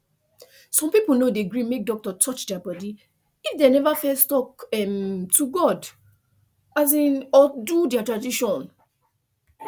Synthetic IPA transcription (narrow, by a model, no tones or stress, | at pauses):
sɔ̃mpipol̩nodeɡɹĩmek̚dɔk̚tɔtʰɔt͡ʃdɛabɔdi | ifdenɛvafɛlstɔkɛmtuɡɔd | azĩnɔdudɛatɹadiʃɔ̃n